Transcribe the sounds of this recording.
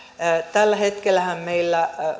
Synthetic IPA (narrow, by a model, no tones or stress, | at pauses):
t̪ælːæhet̪kelːæhæmmeilːæ